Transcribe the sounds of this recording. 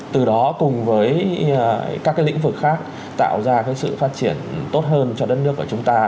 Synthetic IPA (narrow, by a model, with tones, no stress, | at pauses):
t̪ɨ˨˩ɗɔ˨˦kʊ˨˩ŋ͡mvəː˨˦j | kaː˦˥kːaː˨˦lḭ˧˥ŋ̟vɨ˨˩k̚xaː˦˥k̚ | t̪a̰ː˧˨wzaː˧kaː˨˦jsɨ̰˧˨faː˦˥t̚t͡ɕi˧˩ənt̪o˦˥t̚ɦəː˧nt͡ɕɔ˧ɗə˦˥t̚nɨ˦˥əkːu˧˩t͡ɕʊ˨˦ŋ͡mt̪aː˧